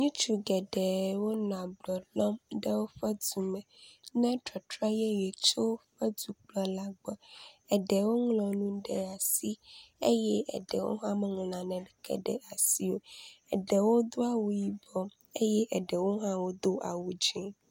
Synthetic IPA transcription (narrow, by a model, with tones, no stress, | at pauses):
ɲũ˦t͡ʃu˦ɡɛ˨ɖɛ˨wo˦nã˨blɔ˨lɔ˦mɖɛ˦wo˦ɸɛ˦du˨mɛ̃˨nɛ̃˦tɾɔ˨tɾɔ˦jɛ˦jɛ˨t͡ʃo˦ɸɛ˦d̪u˨k͡plɔ˨˦la˦ɡ͡bɔ˨ɛ˨ɖɛ˨wo˦ŋlɔ̃˨nũ˦ɖɛ˨a˨si˦e˦jɛ˦ʔɛ̰˨ɖɛ˨wo̰˦ɦã˦mɛ̃˦ŋ˨lã˨nɛ̃˨ɖɛ˨kʰɛ̰˨ɖɛ̰˨a˨si˦wo˦ɛ˨ɖɛ˨wo˦d̪o˦a˦wu˨ji˦bɔ˦ | e˦jɛ˦ʔɛ˨ɖɛ˨wo˦ɦã˦wo˦d̪o˦ʔa̰˨wu˨d͡ʒĩ˨